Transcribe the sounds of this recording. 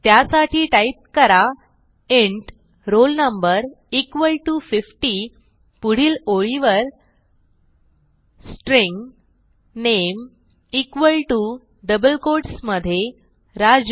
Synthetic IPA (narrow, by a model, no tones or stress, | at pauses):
t̪jasaʈʰiːʈait̪̚kəɾa | eɳʈ | ɾolnəmbəɾ | ikʋəlʈufifʈiː | puɽ̤iːloɭiʋəɾ | sʈɾiŋɡ | nem | ikʋəlʈu | ɖəbəlkoɾʈsməd̪ʱːje | ɾad͡z